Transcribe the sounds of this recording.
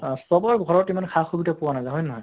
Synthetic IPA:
sɔbɔɹɡʱɔɹɔtimankʰaxobitapuwanajzaɦɔjnɔɦɔj

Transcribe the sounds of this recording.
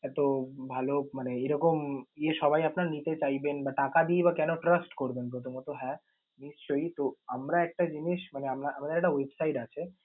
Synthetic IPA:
ɛt̪obʱalomaneeɾɔkomjeʃɔbaiapnaɾnit̪et͡ɕaibenbaʈakad̪iibakɛnoʈɾəsʈkoɾbenkot̪̬omot̪oɦɛ | mist͡ʃoit̪oamɾaɛk̚ʈad͡ʒiniʃmaneamnaʔamad̪eɾɛk̚ʈawebsaiʈat͡ʃʰe

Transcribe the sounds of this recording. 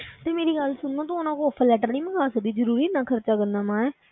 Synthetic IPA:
t̪eːmeːɾiːɡəlsʊnd̪ãːt̪̬õːnãːkoːpʰːəlɛːʈəɾnĩːmə̃ɡaːsək̚d̪iːzəɾuːɾiːnãːkʰəɾt͡ʃaːkənd̪aːmãːɛː

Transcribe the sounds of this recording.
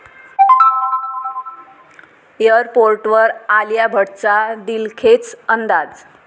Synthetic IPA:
eəɾpoɾʈʋəɾaljabʱəɽt͡sad̪ilkʰet͡sənd̪ad͡z

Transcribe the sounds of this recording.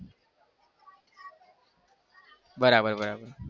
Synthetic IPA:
bʌɾabʌɾbʌɾabʌɾ

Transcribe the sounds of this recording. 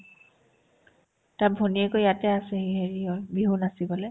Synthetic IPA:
tabʱoniɛkojatɛasɛheɦeɹiɔlbiɦunasibɔlɛ

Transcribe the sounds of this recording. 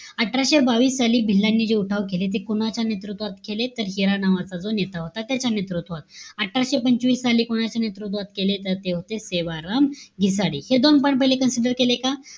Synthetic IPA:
əʈʰːɾaɕebaʋiːsːaliːbʱilːanːiːd͡ʑeuʈʰaʋkelet̪̬ekoɽ̃at͡ɕanet̪ɾut̪ʋat̪kʰelet̪əɾɦiɾanaʋat͡sad͡zonet̪aɦot̪at̪jat͡ɕanet̪ɾut̪ʋat̪̚əʈʰːɾaɕepəɲt͡ɕʋiːsːaliːkoɽ̃at͡ɕanet̪ɾut̪ʋat̪kelet̪əɾt̪eɦot̪eseʋaɾamɡʱisaɽihed̪onpəɳpəɦjlekənsiɖəɾkeleka

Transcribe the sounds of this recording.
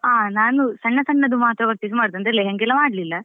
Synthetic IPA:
aːnaːnusɐɳːɐsɐɳːɐd̪umaːt̪ɾɐʋɐk̚t̪is̬ɐmaːɖd̪ɐnd̪ɾɐlːeɦeŋɡɛlːɐmaːɖlilːɐ

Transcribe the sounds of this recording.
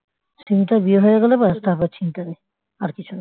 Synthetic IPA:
sinʈ̪aɾbieɦojeɡɛlebast̪ʰaɦbat͡ɕʰint̪ane | aɾkit͡ɕʰuna

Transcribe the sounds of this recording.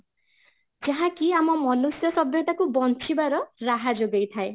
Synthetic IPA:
d͡ʒaɦãkiamɔmɔlusjɔsɔbjɔt̪akubɔnt͡ʃʰibaɾɔɾaɦad͡ʒoɡejt̪ʰae

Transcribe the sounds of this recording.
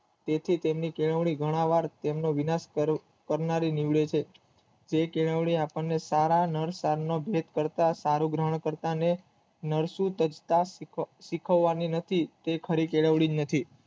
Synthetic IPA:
t̪et̪ʰit̪emnikeɭəʋɭiɡʱəɽ̃aʋaɾt̪emnoʋinas | kəɾnaɾiniʋɭet͡ʃʰe | d͡ʒekeɭəʋɳ̃iapəɳːesaɾanəɾsaɾnobʱet̪kəɾt̪asaɾuɡɾəɦəɳ̃kəɾt̪ane | nəɾsũt̪əd͡ʒt̪asikʰəʋːaninət̪ʰit̪ekʰəɾikeɭəʋɭid͡ʒnət̪ʰi

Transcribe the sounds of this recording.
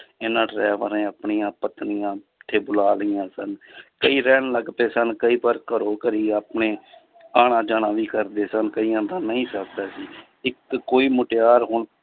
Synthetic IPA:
eːnãːʈɾɛːʋəɾẽːəpɳiːãːpət̪nɪjãː | t̪ʰːeːbʊlaːlɪjãːsənkəiːɾɛːɳləɡt̪eːsənkəiːbaːɾkəɾoːkəɾiːaːpɳeː | aːɳãːd͡ʒaːnãːʋiːkəɾd̪eːsənkəiːə̃ːnd̪aːnəĩːsəkd̪aːsiː | ɪkːoːiːmʊʈeaːɾɦʊɳ

